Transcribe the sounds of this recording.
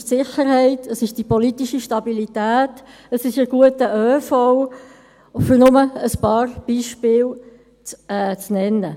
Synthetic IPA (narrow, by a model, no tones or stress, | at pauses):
ʃtsɪχəɾhɛɪtʰəsɪʃd̥ipɔlitiʃiʃtɑbilitæːt | əsɪʃəɡ̥uətəʔøːfɔw | fʏɾnʊməəspɑːrb̥iːʃpɪːl | ɛːt͡snɛnːə